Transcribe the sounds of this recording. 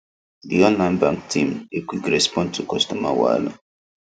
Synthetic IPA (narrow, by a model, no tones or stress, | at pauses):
diɔ̃nlãnbã̰ŋk̚tʰĩmekwikɹɛspɔ̃ntʰukɔstɔma̰wa̰la̰